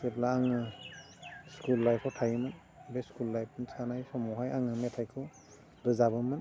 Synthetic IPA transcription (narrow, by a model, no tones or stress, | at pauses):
seplaaŋɯ | skulːajpʰɔtʰajɯmɯn | beskulːajp̚ʰɯnsanajsɔmɔɦajaŋɯmetʰajkʰɯ | ɾɯzabɯmɯn